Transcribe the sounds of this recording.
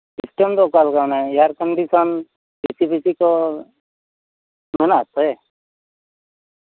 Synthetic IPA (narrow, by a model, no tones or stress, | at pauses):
sisʈemd̪okalkanejaɾkəɳɖisɔn | bisibisiko | mənat̪ɔe